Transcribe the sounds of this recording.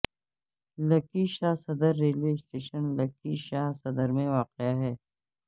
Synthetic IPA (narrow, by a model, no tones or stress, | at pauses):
lɐkiʃaːɦsɐd̪əɾːeːlesʈeːʃənlɐkiʃaːɦsɐd̪əɾmẽʋaːqeaɦɛː